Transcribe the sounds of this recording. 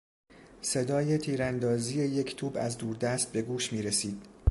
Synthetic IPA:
se̞d̪ɒːje̞t̪ʰiːɾænd̪ɒːziːje̞je̞cʰt̪ʰuːbæ̰zd̪uːɾd̪æst̪̚be̞ɡuːʃmiːɾe̞siːd̪̥

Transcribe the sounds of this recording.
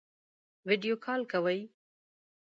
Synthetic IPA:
wɪɖijokʰɑlkawəj

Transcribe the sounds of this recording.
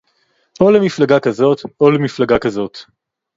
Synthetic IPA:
olemiflaɡakazo̞t̪olemiflaɡakazo̞t̪

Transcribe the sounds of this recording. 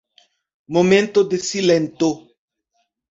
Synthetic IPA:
momẽnt̪od̪esilẽnt̪o

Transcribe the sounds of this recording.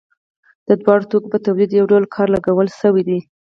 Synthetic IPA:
d̪̥əd̪wɑɽot̪okobət̪awlid̪jawɖalkʰɑɾlaɡawəlsəwid̪i

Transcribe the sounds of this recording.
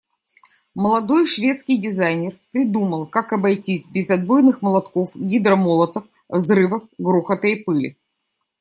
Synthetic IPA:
məlˠɐd̪o̞jʂvʲe̞t̪skʲɪjdʲɪzajnʲɪrpɾʲɪd̪uməlˠkakɐbɐjtʲisʲbʲɪzɐd̪bojnɨxməlˠɐt̪ko̞fɡʲɪd̪ɾɐmolˠət̪əf | vzrɨvəfɡɾuxət̪ɨjpɨlʲɪ̰

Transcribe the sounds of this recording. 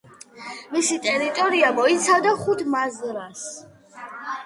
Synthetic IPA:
misit̪ʼɛɾit̪ʼɔɾiamɔit̪sʰad̪aχut̪ʰmazɾas

